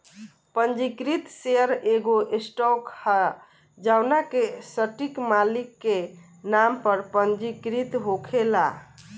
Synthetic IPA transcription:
pənd͡ʒikɾit̪seəɾeɡoʔesʈɔkhə | d͡ʒawnakesəʈikmalikːe | nampəɾpənd͡ʒikɾit̪ɦokʰela̰

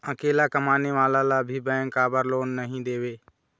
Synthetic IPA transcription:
əkeːlakəmaːneʋaːlalabʱibɛ̃ːŋkaːbəɾloːnːəɦĩd̪eːʋeː

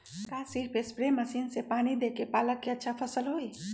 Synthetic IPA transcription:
kasɪɾpʰespɾeməsiːnsepaːnid̪ekepaːləkːeətːʃʰapʰəsəlɦoːi

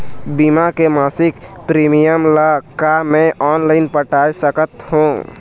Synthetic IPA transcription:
bimakemasikpɾimijəmləkamẽʔɔːnlaɪnpəʈajsəkət̪hũ

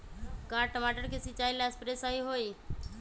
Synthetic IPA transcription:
kaːɾʈəmaʈəɾkesɪt͡ʃaːilaspɾesaiɦoːi

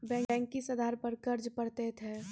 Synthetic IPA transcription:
bɛ̃ːŋɖɛ̃ːŋkisəd̪aɾpəɾkəɾd͡ʒpəɽt̪et̪ʰɦɛ

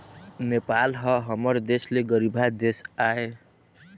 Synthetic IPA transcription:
nepalɦʌɦʌmʌrd̪esleɡʌɾibʱɦad̪esae

